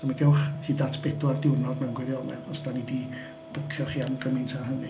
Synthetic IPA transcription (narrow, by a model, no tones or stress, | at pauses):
d̥amaɡɛwχhiːdaːtʰb̥ɛdwardɪwnɔdmɛwnɡwɛɾjɔlɛ̰ɔsd̥anidi | b̥ʊkʰjɔχiːamɡəmɪntʰaɦənɨ